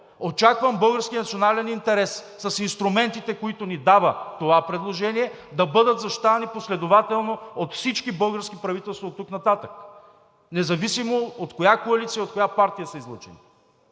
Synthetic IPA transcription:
ot͡ʃakvəmbɤlˠɡəɾskʲiənɐt̪sionalɛnint̪ɛɾɛsːɐsinst̪ɾumɛnt̪it̪ɛkoit̪ʊnid̪avət̪ovapɾɛd̪lˠoʒɛniɛ | d̪ɐbɤd̪ət̪zɐʃt̪aniposlɛd̪ovat̪ɛlˠnoot̪fsit͡ʃkibɤlˠɡəɾskipɾɐvit̪ɛlˠst̪vot̪ːuknɐt̪at̪ək | nɛzɐvisimoot̪kojakoɐlit̪sijəiot̪̚kojapaɾt̪ijəsɐizlˠɔt͡ʃɛnḭ

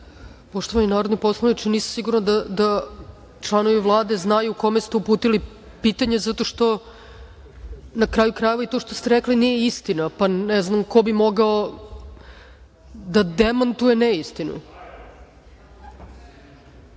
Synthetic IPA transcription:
poʃt̪o̞ʋaninaːɾod̪nojpo̞slˠanit͡ʃiniːsḁsiɡuɾnad̪ad̪a | t͡ʃlˠano̞ʋiʋlˠaːd̪e̞znajuːko̞mest̪eupuːt̪ili | piːt̪aɲezat̪o̞ʃt̪o̞ | nakɾaːjukɾaje̞ʋait̪o̞ʃt̪o̞st̪eɾeklinijeist̪inapanɛznamko̞bimo̞ɡao | d̪ad̪emant̪ujeneist̪inṵ

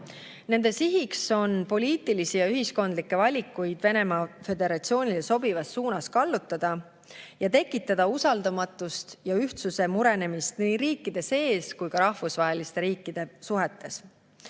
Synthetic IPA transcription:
ne̞nd̪̥e̞siɦikso̞npo̞liːt̪ˑilisijɑyɦisko̞nd̪likːˑe̞vɑlʲikːˑujd̪̥ve̞ne̞mɑfe̞d̪e̞ɾɑt̪sio̞ːnʲileso̞bivɑsːuːnɑskɑlːut̪ːˑɑd̪̥ɑ | jɑt̪e̞kːˑit̪ːˑɑd̪̥ɑusɑld̪̥ɑmɑt̪ːˑust̪jɑyht̪suse̞muɾe̞ne̞mist̪niːɾiːkːˑid̪̥e̞se̞ːskujkɑɾɑhfusvɑɦe̞list̪e̞ɾiːkːˑid̪̥e̞suɦe̞t̪ːe̞s

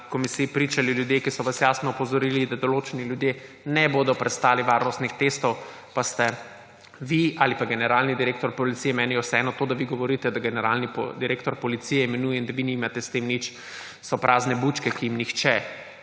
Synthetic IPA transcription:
kɔmisiipɾiːt͡ʃaliljud̪jekisɔʋasjaːsnɔːpɔzɔɾilid̪ad̪ɔloːt͡ʃɛniljud̪je | nɛboːd̪ɔpɾɛst̪aːliʋaːɾnɔst̪nixt̪est̪ɔw | past̪ɛ | ʋiaːlipaɡɛnɛɾaːlnid̪iɾeːk̚t̪ɔɾpɔlit̪siːjɛmɛːnijɛwsɛɛnɔt̪oːd̪aʋiɡɔʋɔɾiːt̪ɛd̪aɡɛnɛɾaːlnipd̪iɾekt̪ɔɾpɔlit̪siːjɛimɛnuːjɛind̪aʋinimat̪ɛst̪emnit͡ʃ | sɔpɾʔaːznɛbut͡ʃkɛkiimnixt͡ʃɛ

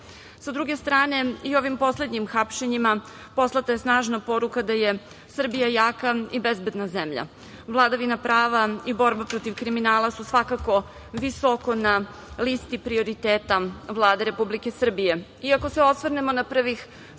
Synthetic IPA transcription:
sad̪ɾuɡe̞st̪ɾaːne̞io̞ʋimpo̞sle̞d̪ɲimxapʃe̞ɲima | po̞slˠat̪aje̞snaːʒnapo̞ɾukad̪aje̞ | sr̩bijajaːkaibezbe̞d̪nazemʎa̰ | vlˠad̪aʋinapɾaːʋaibo̞ɾbapɾo̞t̪iʋkɾiminaːlˠasusʋakako̞ | ʋisoko̞na | list̪ipɾio̞ɾit̪eːt̪aʋlˠaːd̪eɾe̞publike̞sr̩bijeiako̞seo̞sʋrnemo̞napr̩ʋix

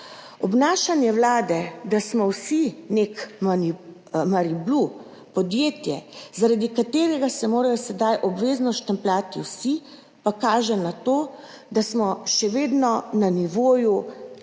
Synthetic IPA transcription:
ɔbnaːʃanjɛwlaːd̪ɛd̪asmɔwsinekmani | maɾiblu | pɔd̪jeːt̪jɛzaɾad̪ikat̪eːɾɛɡasɛmoːɾajɔsɛd̪ajʔɔbʋeːznɔst̪ɛmplʲaːt̪iwsi | pakaːʒɛnat̪oː | d̪asmɔʃɛʋeːd̪nɔnaniʋoːju

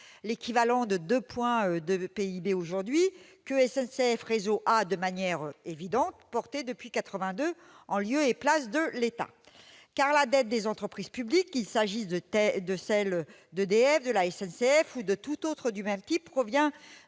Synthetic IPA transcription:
lekʲivalɑ̃d̪əd̪øpwɛ̃ød̪əpeibeoʒuʁd̪ɥikəɛsɛnseɛfʁezoʔad̪əmanjɛʁevid̪ɑ̃t̪pɔʁt̪ed̪əpɥikat̪χəvɛ̃d̪ø | ɑ̃ljøeplasd̪əlet̪a̰ | kaʁlad̪ɛt̪̚d̪ezɑ̃t̪χəpχiz̥pyblikːilsaʒiəɛd̪əsɛl | d̪əd̪eɛfd̪əlaɛsɛnseɛfud̪ət̪ut̪ot̪χəd̪ymɛmt̪ipːχɔvjɛ̃

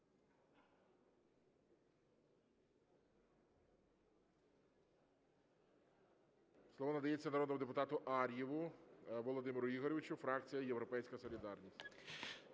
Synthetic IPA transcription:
slˠɔʋɔnɐd̪ɐjet͡sʲːɐnɐɾɔd̪nɔmʊd̪epʊt̪ɑt̪ʊʔɑɾʲjiʋʊʋɔlˠɔd̪ɪmeɾʊiɦɔɾʲɔʋʲɪt͡ʃʊfɾɑkt͡sʲijɐjewɾɔpɛjsʲkɐsɔlʲid̪ɑrnʲisʲtʲ

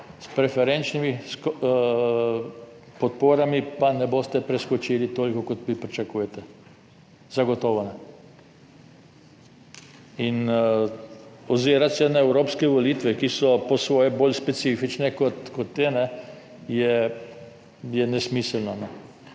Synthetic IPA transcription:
spɾɛfɛɾɛnt͡ʃnimisk | pɔt̪poːɾamipanɛbost̪ɛpɾɛskɔt͡ʃiːlit̪oːlʲkɔkɔt̪ʋipɾit͡ʃakuːjɛt̪ɛ | zaɡɔt̪oːʋonɛ | in | ɔziːɾat̪sɛnaɛwɾoːpskɛʋoliːt̪ʋɛkisɔposʋoːjɛboːlʲspɛsiːfit͡ʃnɛkɔt̪kot̪ːenɛ | jɛ | jɛnɛsmisɛlnɔnɛ

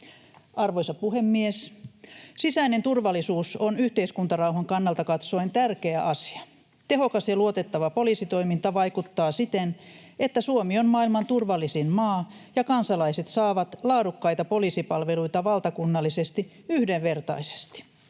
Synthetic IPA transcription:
ɑrʋojsɑpuhemːies | sisæinent̪urʋɑlːˑisuːsonyht̪eiskunt̪ɑrɑwɦɑŋkɑnːɑlt̪ɑkɑt̪so̞int̪ærkeæʔɑsi̥ɑ̥ | t̪e̞ɦokɑsjɑluot̪e̞t̪ːɑʋɑpolisit̪o̞imint̪ɑʋɑjkut̪ːɑːsit̪en | et̪ːæsuomionmɑːilmɑnt̪urʋɑlːisinmɑːjɑkɑnsɑlɑiset̪sɑːʋɑt̪lɑːdukːɑjt̪ɑpolisipɑlʋeluit̪ɑʋɑlt̪ɑkunːɑlːisest̪i | yhdeʋʋe̞rt̪ɑ̰ise̥st̪i̥

